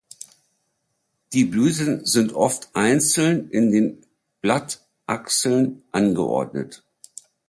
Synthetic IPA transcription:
d̥iːblyːtənzɪntʔɔftʔaɪnt͡sl̩nʔɪndeːn | b̥lat | ʔaksl̩nʔanɡəʔɔ̰ɐdnə̰t

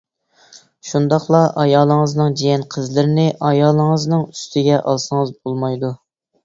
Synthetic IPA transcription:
ʃund̪ɑχlˠɑʔɑjɑːlˠəŋəznɨŋd͡ʒijɛnqʰəzlɪɾɪnɪʔɑjɑːlˠəŋəznɨŋyst̪ʰɪɡʲɛʔɑ̰lˠsəŋəzbolˠmɑjd̪u

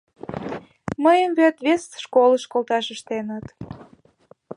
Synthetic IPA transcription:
məjəmβet̪βesʃkoləʃkolˠt̪ɑʃəʃt̪enət̪

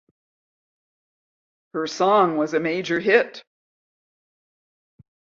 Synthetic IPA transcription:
hə˞sɔ̃ŋwʌzɨmeɪd͡ʒə˞ɦɪt

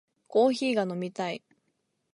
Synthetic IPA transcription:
ko̞ːçiːɡano̞mʲit̪ai

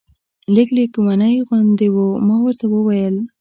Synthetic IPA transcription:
lɪklekumanəjɣʊnd̪ewumɑwəɾt̪awəwajəl

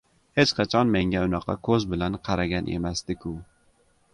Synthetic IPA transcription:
het͡ʃqʰɑt͡ʃʰɒnme̞ŋɡʲaʊnɑqʰɑ̰kʰɵzbɪlanqʰɑɾaɡʲanʔe̞̰masd̪̥ɪkʲʰʊ

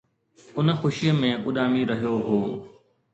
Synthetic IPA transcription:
ʊnəxʊʃijəmẽʔʊɗaːmiɾɐɦijoɦoː

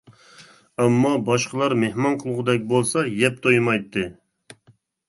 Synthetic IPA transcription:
ɑmːɑbɑʃqəlˠɑɾmehmɑnqʰəlˠʁʊd̪ɛk̚ʲbolˠsɑjɛp̚t̪ʰojmɑjt̪ːɨ

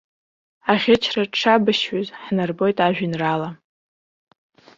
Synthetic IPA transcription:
aχʲɪt͡ʃʰraʈ͡ʂʰabɨʃɥʊzħnɨrbo̞jtʼaʒᶣinrala

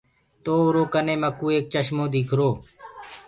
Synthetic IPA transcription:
t̪oːʊɾoːkənẽːməkuːeːk̚t͡ʃəʃmõːd̪ikʰɾoː

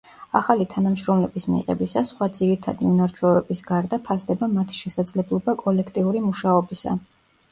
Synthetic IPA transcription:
aχalit̪ʰanamʃɾɔmlɛbismḭʁɛ̰bisasχwad̪ziɾit̪ʰa̰d̪iunaɾt͡ʃʰɔvɛbisɡaɾd̪apʰasd̪ɛbamat̪ʰi̥ʃɛsad̪zlɛblˠɔbakʼɔlɛkʰt̪ʼiuɾimuʃaɔbisa̰

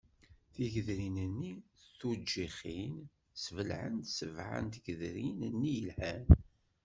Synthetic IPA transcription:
θiʝəðɾinənːiθud͡ʒːiχin | svəlʕə̰nt̪səvʕə̰nt̪ɡəðɾinənːijəlħæn

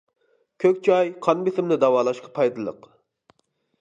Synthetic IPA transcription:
kʲʰøkʲt͡ʃʰɑjqʰɑnbɪsɪmnɪd̪ɑwɑːlˠɑʃqɑ̥pʰɑjd̪ɨlˠə̰q

